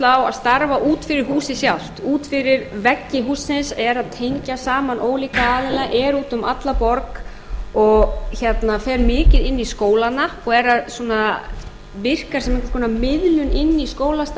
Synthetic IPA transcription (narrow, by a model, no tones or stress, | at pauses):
lawa̰ðst̪aɾvaʔuːt̪fɪɾɪɾ̥huːsɪsjawl̥t̪uːt̪fɪɾɪɾvɛcːɪɦuːsːɪnsɛɾaðt̪ʰejɲcasaːmanʔoːwliːkaaːðɪlaʔɛɾuːt̪ʏmat̪lapɔɾk | ɔɣçɛt̪nafɛːɾmɪːcɪðɪnːiskoːwlanaɔɣɛɾaðsuːna | vɪr̥kaɾsɛmɛ̃hkaɾ̥kʰɔnamɪðlʏnɪnːiskoːwlast̪